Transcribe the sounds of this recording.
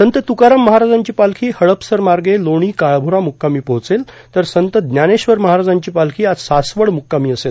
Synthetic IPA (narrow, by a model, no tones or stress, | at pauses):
sənt̪ət̪ukaɾəmːəɦaɾad͡zaɲt͡ɕiːpalkʰiːhəɭəpsəɾmaɾɡeloɽ̃iːkaɭbʱuɾamukːamiːpəɦt͡sel | t̪əɾsənt̪əd̪njaneɕʋəɾməɦaɾad͡zaɲt͡ɕiːpalkʰiːat̪sasʋəɽmukːamiːəsel